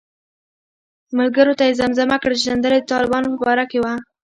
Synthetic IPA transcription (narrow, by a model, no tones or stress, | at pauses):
malɡəɾot̪ajezamzamakɽəʒzand̪əled̪ət̪ɑlɪbɑnopəbɑɾakewa